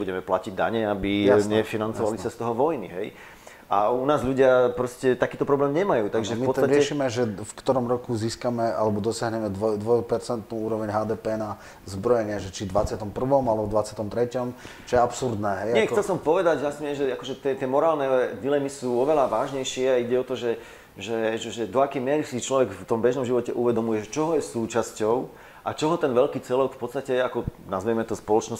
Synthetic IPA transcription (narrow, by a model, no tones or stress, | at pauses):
buɟɛmɛpla̰ciɟd̪a̰ɲɛabiaɲɛfinant͡sɔʋalisast̪ɔɦɔʋɔjniɦɛj | aunaːzʎuɟɪapɾɔscɛt̪akiːt̪ɔpɾɔblɛːmɲɛmajuːt̪aɡʒɛfmipɔt͡st̪aɾɪɛʃiːmɛʒɛfkt̪ɔɾɔmɾɔkuziːskamɛa̰lɛbɔd̪ɔsɪaɦɲɛmɛd̪ʋɔjd̪ʋɔjpɛɾt͡sɛnt̪nuːuːɾɔʋɛɲɦaːd̪ɛːpɛːna | zbɾɔjɛɲɪɛʒɛt͡ʃid̪ʋat͡sɪat̪ɔmpr̩ʋɔmalɛbɔvd̪ʋat͡sɪat̪ɔmt̪ɾɛcɔm | t͡ʃɔjɛapsuɾd̪nɛːɦɛjɪɛxtɛlsɔmpɔʋɛd̪aɟasɲɛɛʒɛakɔʒɛt̪ɪɛt̪ɪɛmɔɾaːlnɛd̪ilɛmisuːɔʋɛlaʋaːʒɲɛjʃɪɛaiɟɛɔt̪ɔʒɛ | ʒɛʒɛʒɛd̪ɔakɛjmɪɛɾisit͡ʃlɔʋɛɡft̪ɔmbɛʒnɔmʒiʋɔcɛʔuʋɛd̪ɔmujɛʒɛt͡ʃɔɦɔjɛsuːt͡ʃascɔʊ | ʔat͡ʃɔɦɔt̪ɛnʋɛlkiːt͡sɪɛlɔkfpɔt̪st̪acɛakɔnazʋiɛmɛt̪ɔspɔlɔt͡ʃnɔs